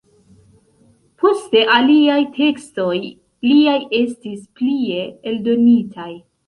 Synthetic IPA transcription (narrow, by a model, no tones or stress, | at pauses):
pʰo̞ste̞ʔaliajtʰe̞ksto̞j | liaje̞stisplie̞eldo̞nitʰaj